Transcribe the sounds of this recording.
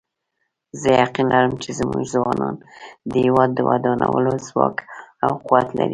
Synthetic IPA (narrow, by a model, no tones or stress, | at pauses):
zəjaqinlaɾəmt͡ʃezmuʒzwɑnɑnd̪əhɪwɑd̪ːəwad̪ɑnawəlozwɑkawquwat̪laɾi